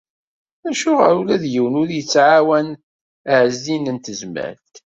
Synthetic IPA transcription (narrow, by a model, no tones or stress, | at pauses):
æʃʊʁə̰ɾulæðjəwənʊɾjət͡sːʕawæn | əʕəzːinənt̪əzmæ̰ɾθ